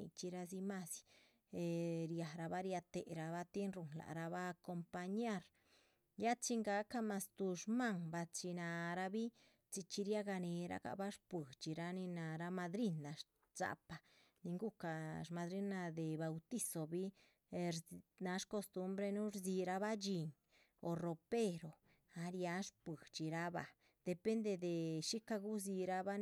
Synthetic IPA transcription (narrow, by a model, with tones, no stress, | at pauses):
ḭ˧t͡ʃi˧ɾa˧zi˧ma˧sj | ɾja˨ɾa˧ba˦ɾja˧t̪e˨ɾa˧ba˦t̪je˦nɾu˨nla̰˨ɾa˧ba˦˧ko˧mpa˧ɲa˦ɾ | ja˦t͡ʃi˧ŋɡa˧˦ka˦ma˧st̪u˧ʂma˦ŋba˧t͡ʃi˧na˧ɾa˧bi˦ | t͡ʃi˧t͡ʃi˧ɾja˦ɡa˧ne˧ɾa̰˧ka̰˧ba˦ʂpwe˨t͡ʃi˨ɾa˧ni˧na˧ɾa˧ma˧d̪ɾi˦nːa˨ | z̥a̰˧pa˨ | ni˧ŋɡu˦ka˨ɾma˧d̪ɾi˦na˧d̪e˨ba˨wt̪i˦so˨bi˦ | ɾna˧˦ʂko˧st̪u˦mbɾe˧nu˦ɾzi˧ɾa˧βa˦d͡ʒi˧ŋ | o˨ro˨pe˦˧ɾo˨ | a˧ɾja˧˦ʂpi˨t͡ʃi˨ɾa˦ba̰˨ | d̪̥e˨pe˦nd̪e˧d̪e˨ʃi˦ka˧ɡu˦zi˧ɾa˦ba˦n